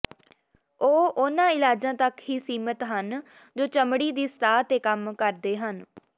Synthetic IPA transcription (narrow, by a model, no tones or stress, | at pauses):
oːʔʊnãːɪlaːd͡ʒãːt̪əkɦiːsiːmət̪ɦən | d͡ʒoːt͡ʃəmɽiːd̪iːst̪ʰaːt̪eːkəmkəɾd̪eːɦən